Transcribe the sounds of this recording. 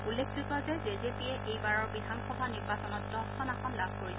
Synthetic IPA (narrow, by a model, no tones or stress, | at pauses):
ulːekʰsitɔzɛzezepiɛʔejbaɹɔɹbidʱanxɔbʱaniɹbasɔnɔt̚ːɔkʰɔnaxɔnlabʱkoɹib